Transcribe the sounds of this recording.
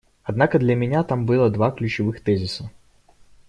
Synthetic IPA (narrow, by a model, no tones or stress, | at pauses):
ɐd̪nakəd̪lʲəmʲɪnʲat̪ambɨlˠəd̪vaklʲʉt͡ɕɪvɨxt̪ɛzʲɪsə